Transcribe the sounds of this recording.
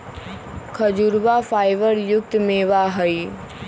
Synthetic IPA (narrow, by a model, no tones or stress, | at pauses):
kʰɐd͡ʑuɾʋafaːɪʋəɾjʊk̚t̪meʋaɦəi